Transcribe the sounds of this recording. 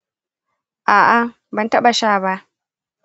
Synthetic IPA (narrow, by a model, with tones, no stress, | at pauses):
ʔaː˨ʔa˨ | bɐ˨ntɐ˦ɓa˨ʃaː˦˨ba˦ʔ